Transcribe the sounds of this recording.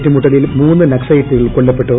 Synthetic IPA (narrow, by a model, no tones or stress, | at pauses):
ʈːɨmuʈːɐlɐilmuːnːɨnɐksɐjiʈːɨɣɐɭkoɭːɐpːe̞ʈːo